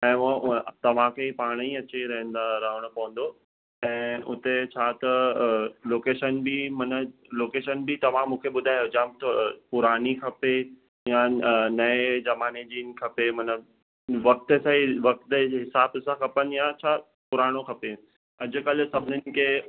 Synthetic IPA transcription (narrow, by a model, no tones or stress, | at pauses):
ɛ̃ːt̪ɐʋ̤ãkʰeipaːɽ̃iɐt͡ɕeɾɐɦə̃nd̪aɾɐɦəɽ̃ʊpɐʋə̃n̆d̪o | ɛ̃ːʊt̪et͡ɕʰaːt̪ɐ | loːkeːʃənbimɐnəloːkeːʃənbɪt̪ɐʋ̤ãmũːkʰeɓʊd̪ʱaːjod͡ʑãt̪ʰopʊɾaːnikʰɐpe | janɐezɐmaːned͡ʑiːnɪ̆kʰɐpemɐnə | ʋɐk̚t̪sãʋɐk̚t̪ɦɪsaːbsãkʰɐpənɪ̆jat͡ɕʰaː | pʊɾaːɽ̃okʰɐpe | ɐd͡ʑʊ̆kɐl̆sɐbʱɪnɪnɪ̆kʰeː